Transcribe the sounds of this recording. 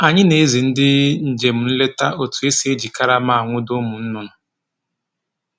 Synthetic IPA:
a˨ɲɪ˦ne˨e˦zi˨n̩˦dɪ˦n̩˨d͡ʒe˨m̩˨n̩˦le˦ta˦o˨tu˨e˦se˦e˦d͡ʒi˨ka˦ɾa˦ma˦˨a˨ŋʷʊ˦dʊ˦mʊ˨n̩˦nʊ˦nʊ˨

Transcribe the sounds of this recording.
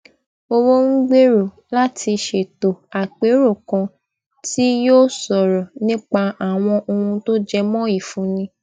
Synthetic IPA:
o˧wo˦ŋ̩˦ɡ͡be˦ɾo˨ | la˦tʰi˧ʃe˨to˨a˨k͡pe˨˦ɾo˦˨kã˧ | ti˦joː˦sɔ˨ɾɔ˨nĩ˦k͡pa˧a˨w̃ɔ̃˧ʔo˧ũ˧to˦d͡ʒɛ˧mɔ̃˦i˦˨fũ˨˦nĩ˧

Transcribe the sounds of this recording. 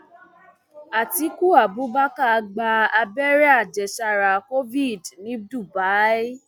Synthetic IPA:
a˨ti˨˦ku˦a˨bu˨˦ba˦ka˦˧ɡ͡ba˧a˧bɛ˦ɾɛ˦a˦˨d͡ʒɛ˨ʃa˧˨ɾa˨ko˦vi˦˨dnĩ˨˦du˦˨ba˨˦i˦

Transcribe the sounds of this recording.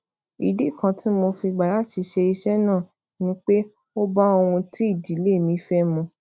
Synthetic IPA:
i˨di˨˦˨kã˧tĩ˦mo˧fi˧ɡ͡ba˨la˨˦ti˧ʃe˧i˧ʃɛ˦nãː˦˨ | nĩ˦k͡pe˦ | o˦ba˦o˧w̃ũ˧ti˦i˦˨di˨˦le˦˨mĩ˨˦fɛ˦mũ˧

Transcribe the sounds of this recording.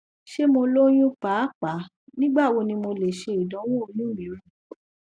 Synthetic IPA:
ʃe˦mo˧lo˦j̃ũ˦k͡pa˨˦k͡pa˨˦ | nĩ˦ɡ͡ba˦˨wo˧nĩ˧mo˧le˨ʃe˧i˨dɔ̃˨˦w̃ɔ̃˦o˧nũ˦mĩ˨˦o˨˧˨

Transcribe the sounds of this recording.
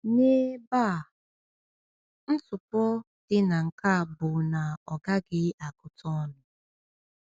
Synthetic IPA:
ne˦ba˦˨ | n̩˦sʊ˨pɔ˦ | d̥ɪ˦na˨ŋ̩˨ka˦˨bʊ˨na˨ɔ˨ɡa˦ɡɪ˦a˨kʊ˨tɔ˦nʊ˨

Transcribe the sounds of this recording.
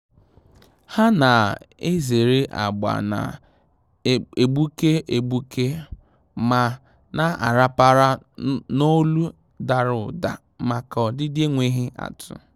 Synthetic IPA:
ha˦na˨e˦ze˨ɾe˦ʔa̰˨ɡ͡ba̰˨na̰˨ | e˨ɡ͡bu˦ke˦e˨bu˦ke˦ | ma˨ | na˦a̰˨ɾa˦pa˦ɾa˦no˦lu˦ | da˨ɾʊ˨da̰˨ | ma˨kɔ˨dɪ˦dɪ˦e˦ŋʷe˦ɦɪ˦ʔa̰˨tʰʊ̰˨

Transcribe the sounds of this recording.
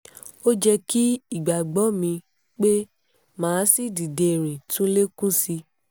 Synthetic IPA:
o˦d͡ʒɛ˧ki˦i˦˨ɡ͡ba˨ɡ͡bɔ˨˦mĩ˧ | k͡pe˦ | mãː˨˦si˦˨di˨de˧˨ɾ̃ĩ˨tũ˦le˦kũ˦si˧

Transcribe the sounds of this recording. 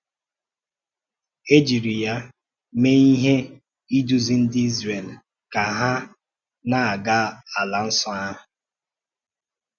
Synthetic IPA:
e˦d͡ʒi˨ɾi˨ja˦ | me˦i˦ɦe˦ | i˦du˨zi˦n̩˦di˦zɾe˨l | ka˨ɦa˦ | na˨a˨ɡa˦a˨la˨n̩˦sɔ˦a˦ɦʊ˨

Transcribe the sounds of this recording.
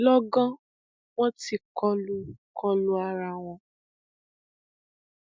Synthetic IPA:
lɔ˦ɡɔ̃˦ | wɔ̃˦ti˨kɔ˦lu˦kʰɔ˦lu˦a˧ɾa˧w̃ɔ̃˧

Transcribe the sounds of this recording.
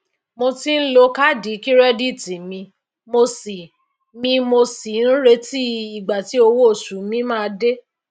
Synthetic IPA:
mo˧ti˦n̩˦lo˧ka˦di˨˦ki˦ɾɛ˦di˦˨ti˨mĩ˧ | mo˧si˨ | mĩ˧mo˧si˨˦n̩˦ɾe˧ti˦i˨ɡ͡ba˨ti˨˦o˧wo˦o˦˨ʃu˨˦mĩ˨˦mãː˦˧de˦

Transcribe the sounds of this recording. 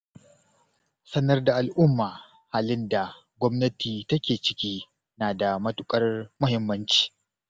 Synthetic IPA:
sɐ˦nɐ˦rda˨ʔa˨lʔʊ˦mːaː˨ | haː˦lɪ˦nda˨ | ɡʷɔ˦mnɐ˦tʰiː˨tɐ˦kʲeː˨t͡ʃɪ̥˨kʲiː˦ | naː˨da˨mɐ˦tʊ˦kʼɐ˦rmʊ˦hɪ˦mːɐ˦nt͡ʃi̥ː˨

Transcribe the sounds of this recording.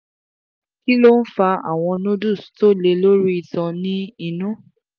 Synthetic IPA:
ki˦lo˦n̩˦fa˧a̰˦˨w̃ɔ̃˧nõ˦du˦˨sto˦le˧lo˦ɾu˦i˧tɔ̃˧nĩ˦i˧nũ˦

